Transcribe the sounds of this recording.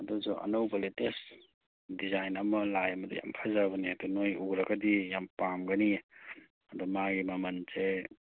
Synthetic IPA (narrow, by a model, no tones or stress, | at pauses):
ɐdɔsuʔɐ̰nɐwbɐletes | dizajnɐmɐlajɐmɐdḭja̰mpʰazabɐniatunojuɡɾɐɡɐdijampamɡɐni | ɐdumaɡimɐmɐnze